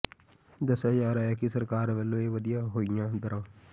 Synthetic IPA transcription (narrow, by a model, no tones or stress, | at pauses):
d̪əsəd͡ʒaːɾaːaːkisəɾkaːɾʋəloːeʋəd̪ijaːɦoːɪjãːd̪əɾãː